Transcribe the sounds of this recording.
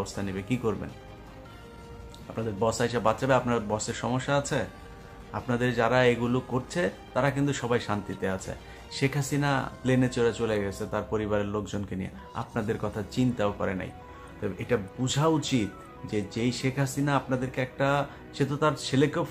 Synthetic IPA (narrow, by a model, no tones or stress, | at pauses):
bost̪ʰanibekikoɾbḛn | apnad̪eɾbɔsajʃabat̪ːɕabeapnaɾbɔseɾʃɔmoʃːaat͡ɕʰe | apnad̪eɾd͡ʑaɾaeɡulokoɾt͡ɕʰet̪aɾakint̪uʃɔbajʃant̪it̪eat͡ɕʰḛ | ʃekʰasina̰plenet͡ɕoɾat͡ɕoleɡet͡ɕʰet̪aɾpoɾibaɾeɾlok̚d͡ʑonkenijḛ | a̰p̚nad̪eɾkɔt̪ʰat͡ɕint̪aokɔ̰ɾḛna̰j | t̪ɔbeʔeʈabud͡ʑʱaut͡ɕit̪ | d͡ʑed͡ʑejʃekʰasinaapnad̪eɾkeɛk̚ʈa | ʃet̪ot̪aɾt͡ɕʰelekew